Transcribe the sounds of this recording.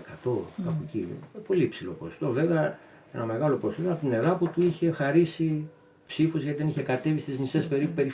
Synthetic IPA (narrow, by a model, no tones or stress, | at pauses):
kɐt̪o̞kɐpociepo̞liipsilo̞̰post̪o̞ve̞veɐ | e̞nɐme̞ɣɐlo̞post̪onɐpt̪ine̞ɾɐput̪uiçe̞xɐɾisi | psifuzʝɐt̪iðeniçekɐt̪e̞vist̪izmise̞spe̞ɾipupe̞ɾi